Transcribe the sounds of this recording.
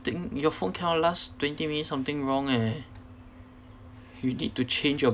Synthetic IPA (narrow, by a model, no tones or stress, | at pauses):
t̪ɪ̃ŋjɔfõnkʰɛ̃nɔlastwɛ̃ntimĩnisãmt̪ɪ̃ŋɹɔ̃ŋɛ̃n | junḭd̚tut͡ʃẽnd͡ʒjɔ